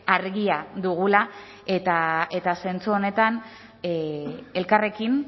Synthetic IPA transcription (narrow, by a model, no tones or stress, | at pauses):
aɾɣiad̪uɣ̞ula | et̪ae̞t̪ase̞nt͡suo̞ne̞t̪an | e̞lkare̞kin